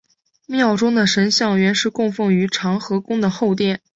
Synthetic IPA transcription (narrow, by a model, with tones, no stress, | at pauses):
mjɑ˥˩ʊʈ͡ʂʊ˥ŋd̪ə˨ʂə˧˥nɕjɑ˥˧ŋɥɛ˧˥nʂɻ̩˥˧kʊ˥˧ŋfɤ˥˩ŋy˧˥ʈ͡ʂʰɑ˧˥ŋxɤ˧˥kʊ˥ŋd̪ə˨xo˥˧ʊt̪̬jɛ˥˩n